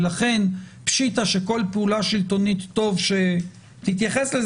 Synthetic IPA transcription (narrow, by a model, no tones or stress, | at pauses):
laχe̞npʃitaʃeko̞lpeulaʃilto̞nit̪ːo̞vʃe | t̪it̪̬jaχeslez